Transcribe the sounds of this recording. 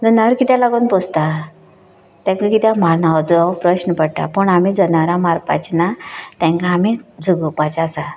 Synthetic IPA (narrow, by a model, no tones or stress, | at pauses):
d͡zənaʋəɾkit̪alaɡoːnpost̪a | t̪ɛ̃ŋkakit̪jamaɾnaʋad͡zɔapɾəɕnəpəɽʈ̪a̰pəɳamid͡zənaɾamaɾpa̰t͡ɕnat̪ɛ̃ŋkaːmid͡zʱəɡəpat͡ɕasa